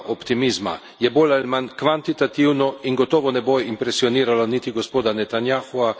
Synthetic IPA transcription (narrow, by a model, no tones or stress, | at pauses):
ʔopt̪imizma̰ | jɛboːlalimankʋant̪it̪at̪iwnɔiŋɡot̪ɔːʋɔnɛboimpɾɛsioniːɾalonit̪iɡospoːd̪anɛt̪anjaxua